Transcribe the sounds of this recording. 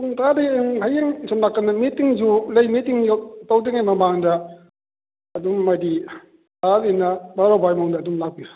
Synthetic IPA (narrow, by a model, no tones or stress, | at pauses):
uŋtʰadeɦajeŋsɔmnakːɐnːɐmitiŋzulɐjmitiŋjatawdiŋajmɐmaŋdɐ | ɐdumːɐdi | taɾenɐbaɾobajmawndɐːdumlak̚piju